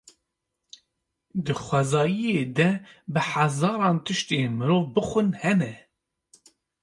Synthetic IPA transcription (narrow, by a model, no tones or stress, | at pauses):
d̪ɨxʷɛzɑːjijeːd̪ɛbɨħazɑːɾɑːnt̪ʰɨʃt̪eːmɨɾoːvbɨxʷɨnhɛnɛ